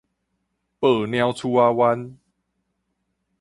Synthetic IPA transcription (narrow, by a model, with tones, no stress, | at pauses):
pəː˨˩nj̃ã˧wt͡sʰu˧a˧wa˦n